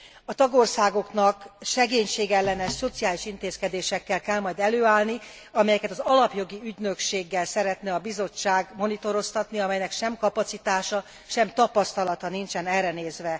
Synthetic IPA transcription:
ɒt̪ɒɡorsaːɡo̞knɒkʃɛɡeːɲʃeːɡɛlːɛnɛʃso̞t̪sijaːliʃint̪eːskɛd̪eːʃɛkːɛlkːɛlmɒjd̪ɛløːaːlni | ɒmɛjɛkɛt̪ɒzɒlɒpjo̞ɡiyɟnø̞kʃeːɡːɛlsɛɾɛt̪nɛɒbizo̞t͡ʃːaːɡmo̞nit̪o̞ɾo̞st̪ɒt̪niɒmɛjnɛkʃɛmkɒpɒt̪sit̪aːʃɒ | ʃɛmt̪ɒpɒst̪ɒlɒt̪ɒnint͡ʃɛnɛrrɛneːzʋɛ

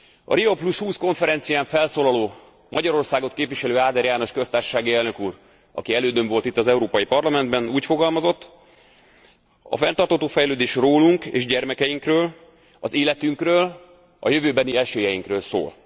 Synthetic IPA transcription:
ɒ̰ɾioplushuːsko̞ɱfɛɾɛnt̪sijaːɱfɛlsoːlɒloː | mɒɟɒɾo̞rsaːɡo̞t̪keːpviʃɛløːaːd̪ɛɾjaːno̞ʃkøst̪aːrʃo̥ʃaːɡiɛlnø̞kuːr | ɒ̰kiɛløːd̪øɱvo̞lt̪it̪ːɒzɛuɾoːpɒjipɒrlɒmɛnd̪bɛnuːcfo̞ɡɒlmɒzo̞t̪ː | ɒ̰fɛnt̪ɒrt̪hɒt̪oːfɛjløːd̪eːʃroːluŋkḛːʒɟɛrmɛkɛjiŋkrøːl | ɒzeːlɛt̪yŋkrøːl | ɒ̰jø̞vøːbɛniɛʃeːjɛjiŋkrøːlso̰ːl

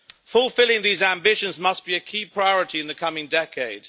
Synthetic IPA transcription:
fəlˠfɪlˠɪ̃ŋðiːzæ̃mbɪʃə̃nzmʌsb̥iɨkʰiːpʰɹ̥aɪɔɹɨtiɨ̃nðəkʰʌmɪ̃ŋdɛkʰeɪd̥

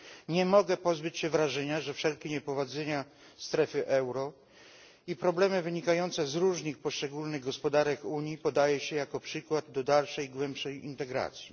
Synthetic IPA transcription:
ɲɛmɔɡɛpɔzbɘt͡ɕɕɛvɾaʐɛɲaʐɛfʂɛlkʲiɲɛpɾɔvad̪zɛɲa | st̪ɾɛfɘʔɛwɾɔ | ipɾɔblɛmɘvɘɲikajɔnt̪sɛzɾuʐɲixpɔʂt͡ʂɛɡulnɘɣɡɔspɔd̪aɾɛkuɲjipɔd̪ajɛɕɛjakɔpʂɘkwad̪ːɔd̪alʂɛjɡwɛmpʂɛjḭnt̪ɛɡɾa̰t̪sʲji

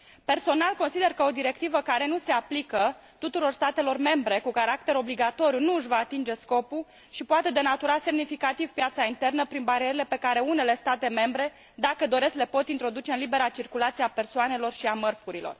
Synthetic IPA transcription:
pe̞rso̞nalko̞nsid̪e̞rkəo̞d̪iɾe̞k̚t̪ivəkaɾe̞nuse̞aplikə | t̪ut̪uɾo̞rst̪at̪e̞lo̞rme̞mbɾe̞kukaɾakt̪e̞ɾo̞bliɡat̪o̞ɾijunuɨʃvaːt̪ind͡ʒe̞sko̞pu | ʃipoat̪e̞d̪e̞nat̪uɾase̞mnifikat̪ivpjat̪saint̪e̞rnəpɾinbaɾieɾele̞pe̞kaɾe̞une̞le̞st̪at̪e̞me̞mbɾe̞ | d̪akəd̪o̞ɾe̞skle̞po̞t̪int̪ɾo̞d̪ut͡ʃe̞ɨnlibe̞ɾat͡ʃirkulat̪sieape̞rsoane̞lo̞rʃiamərfuɾilo̞̰r

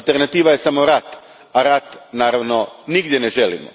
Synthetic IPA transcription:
lˠt̪e̞ɾnat̪iːʋaje̞samo̞ɾat̪ | aɾat̪naːɾaʋno̞niɡd̪jeneʒelḭmo̰

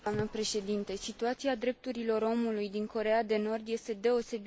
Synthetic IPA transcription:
amnəpɾe̞ʃe̞d̪int̪e̞sit̪uat̪siad̪ɾe̞p̚t̪uɾilo̞ɾo̞mulujd̪iŋko̞ɾe̞ad̪e̞no̞rd̪je̞st̪e̞d̪e̞o̞se̞b

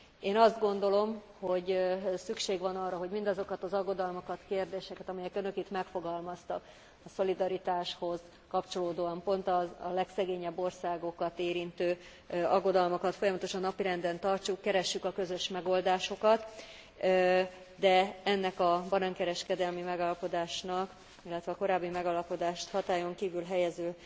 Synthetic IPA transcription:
eːnɒzd̪ɡo̞nd̪o̞lo̞m | ho̞ɟsykʃeːɡʋɒnɒrːɒɦo̞ɟmind̪ɒzo̞kɒt̪ɒzɒɡo̞d̪ɒlmokɒt̪keːrd̪eːʃɛkɛt̪ɒmɛjɛkønø̞kit̪mɛkfo̞ɡɒlmɒst̪ɒk | ɒso̞lid̪ɒɾit̪aːʃho̞z | kɒpt͡ʃo̞loːd̪oːɒmpo̞nt̪ɒlɛksɛɡeːɲɛbːo̞rsaːɡo̞kɒt̪eːɾint̪øː | ɒɡːo̞d̪ɒlmokɒt̪fo̞jɒmɒt̪o̞ʃɒnːɒpiɾɛnd̪ɛnt̪ɒrt͡ʃukːɛɾɛʃːykɒkø̞zø̞ʃmɛɡo̞ld̪aːʃo̞kɒt̪ | d̪ɛɛnːɛkɒbɒnɒŋkɛɾɛʃkɛd̪ɛlmimɛɡaːlɒpo̞d̪aːʃnɒk | ilːɛt̪ʋɛːko̞ɾaːbːimɛɡɒlɒpo̞d̪aːʃt̪hɒt̪aːjo̞ŋkiːvylɦɛjɛzøː

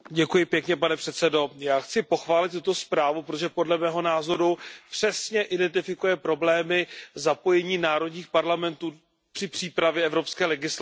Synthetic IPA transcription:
ɟɛkujɪpjɛkɲɛpanɛpr̥ɛt̪sɛdo̞jaːxt͡sɪpo̞xvaːlɪt̪t̪ut̪o̞spɾaːvupɾot̪oʒɛpodlɛmɛːɦo̞naːzo̞ɾupr̥ɛsɲɛʔɪdɛnt̪ɪfɪkujɛpɾo̞blɛːmɪzapo̞jɛɲiːnaːɾo̞dɲiːxpaɾlamɛnt̪uː | pr̥ɪpr̥iːpɾavjɛɛvɾopskɛːlɛɡɪsl

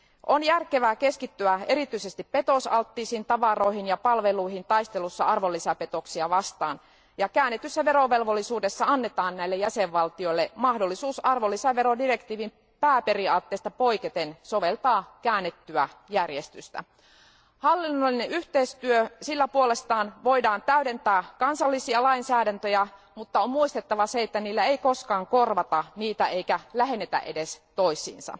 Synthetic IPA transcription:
ʔonjærkeʋæːke̞skit̪ːyæe̞ɾit̪yisest̪ippe̞t̪osɑlt̪ːiːsint̪ɑʋɑro̞iɦinjɑpɑlʋeluiɦint̪ɑist̪elusːɑɑrʋolːisæpe̞t̪o̞ksiɑʋɑst̪ɑːn | jɑkæːnːet̪ysːæʋe̞ɾoʋe̞lʋolːisuːdesːɑɑnːet̪ɑːnnæilːejæseʋʋɑlt̪io̞ilːemɑhdo̞lːisuːsɑrʋolːisæʋeɾodire̞kt̪iːʋim | pæːpe̞riɑt̪ːeːst̪ɑpoiket̪enso̞ʋelt̪ɑːkæːnːet̪ːyæjærjest̪yst̪æ̰ | hɑlːinːolːineʔyht̪eist̪yøsilːæpuole̞st̪ɑːnʋo̞idɑːnt̪æyde̞nt̪æːkɑnsɑlːisiɑlɑinsæːdænt̪øjæ | mut̪ːɑomːmuist̪et̪ːɑʋɑseet̪ːæniːlːæeiko̞skɑːŋko̞rʋɑt̪ɑniːt̪æe̞ikælæɦe̞nːet̪æ̰ʔedest̪oisḭːnsɑ̰

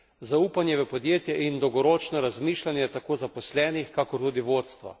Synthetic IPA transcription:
zauːpanjɛʋəpɔd̪jeːt̪jɛʔind̪ɔwɡɔɾoːt͡ʃnɔɾazmiːʃlanjɛt̪akoːzapɔslɛːnixkakɔɾt̪uːd̪iʋoːt̪st̪ʋa̰

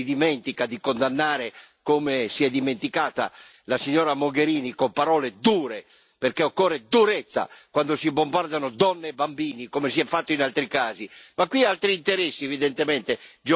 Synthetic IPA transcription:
id̪imɛnt̪ikad̪ikond̪anːaːɾekomesiɛd̪ːiment̪ikaːt̪a̰ | lasiɲːɔːɾamoɡeɾiːnikompaɾɔːled̪uːɾe | perkeɔkːɔrːed̪uɾɛt̪sːa̰kwand̪osibombard̪anod̪ɔnːeːbambiːnikomesiɛfːat̪ːoinalt̪ɾikaːzimakːwialt̪ɾiːnt̪ɛɾɛsːiɛvid̪ɛnt̪emɛnt̪ed͡ʒ

